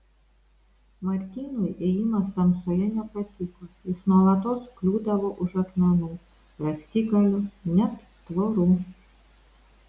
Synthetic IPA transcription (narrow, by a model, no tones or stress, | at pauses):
mɐɾʲt̪ʲiːnʊjʔejɪmɐst̪ɐmsoːjɛnʲɛpɐt̪ʲɪkojɪsnuɔlˠɐt̪oːsklʲuːd̪ɐʋoːʔʊʒɐk̪mʲɛnʊː | ɾɐsʲt̪ʲiɡɐlʲʊnʲɛt̪ːʋoɾuː